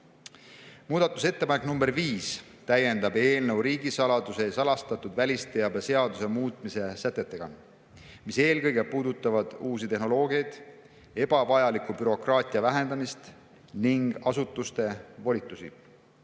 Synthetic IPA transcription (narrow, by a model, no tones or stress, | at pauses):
muːd̪̥ɑt̪ːˑu̥se̞t̪ːe̞pɑneknumbe̞ɾviːs | t̪æje̞nd̪ɑbe̞ːlnewɾiːɡisɑlɑd̪use̞sɑlɑst̪ɑt̪ːˑud̪vælʲist̪ejɑbese̞ɑd̪use̞muːt̪ˑmise̞sæt̪ːˑet̪ːˑe̞ɡ̥ɑ̰ | mise̞ːlkɤjɡ̥e̞puːd̪ut̪ːˑɑvɑd̪̥uːsit̪e̞ɦno̞lo̞ːɡiɑjd̪̥ | e̞b̥ɑvɑjɑlikubyɾo̞krɑːt̪ʲˑiɑvæɦe̞nd̪ɑmist̪ | niŋɡ̥ɑsut̪ˑːust̪e̞volʲit̪ˑːusḭ